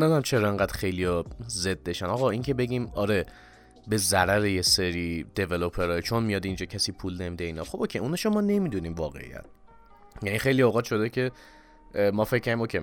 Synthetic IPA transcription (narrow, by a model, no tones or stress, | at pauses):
nɒːd̪æmt͡ʃʰe̞ɾɒeŋɡæːd̪xe̞jlijɒze̞d̪ːe̞ʃænɒɣɒiːŋcʲʰe̞be̞ɟʲiːmɒɾe̞ | be̞zæɾæɾejeseɾiːd̪̥e̞velo̞pʰeɾɒːjet͡ʃʰonmijɒːd̪ind͡ʒɒːcʰæsiːpʰuːlne̞miːd̪eiːnɒxobokʰeʔuːnɛʃomɒːne̞mid̪uniːmvɒːɣe̞̰ḭjæ̰t̪̚ | jænixejlioɣɒːt̪ʃo̞d̪ecʰe̞ | mɒːfe̞cʰːæɾd̪imokcʰe